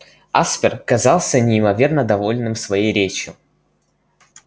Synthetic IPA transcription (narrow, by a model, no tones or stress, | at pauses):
aspʲɪrkɐzɑlˠsʲənʲɪɪmɐvʲe̞rnəd̪ɐvo̞lʲnɨmsvɐjejɾʲet͡ɕjʊ